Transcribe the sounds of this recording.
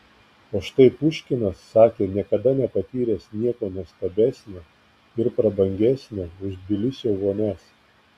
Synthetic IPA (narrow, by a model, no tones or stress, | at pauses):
oːʃt̪ɐɪpʊʃʲkʲɪnɐsːɑːkʲeːnʲiɛkɐd̪ɐnʲɛpɐt̪ʲiːɾʲeːsnʲiɛkoːnuɔst̪ɐbʲæːsʲnʲoː | ɪɾpɾɐbɐŋʲɡʲæsʲnʲoːʊʒbʲɪlʲɪsʲoːʋoːnʲæs